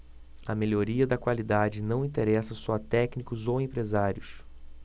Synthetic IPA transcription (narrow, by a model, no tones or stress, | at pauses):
ɐmeloɾiɐd̪ɐkwalid̪ad͡ʒɪnɐ̃w̃ĩt̪eɾɛsɐsɔt̪ɛknikʊzowẽpɾezaɾjʊs